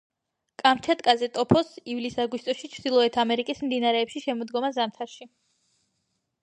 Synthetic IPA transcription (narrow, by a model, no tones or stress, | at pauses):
kʼamt͡ʃʰat̪ʼkʼazɛt̪ʼɔpʰɔsivlisaɡwist̪ʼɔʃit͡ʃʰd̪ilˠɔɛt̪ʰamɛɾikʼismd̪inaɾɛːpʃiʃɛmɔd̪ɡɔmazamt̪ʰaɾʃi